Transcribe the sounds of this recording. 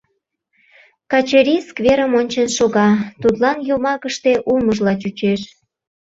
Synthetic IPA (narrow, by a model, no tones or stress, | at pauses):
kɑt͡ɕeɾʲiskveɾəmonʲt͡ɕənʃoɣɑt̪ut̪lɑnjomɑkəʃt̪eʔuməʒlɑt͡ɕut͡ɕeʃ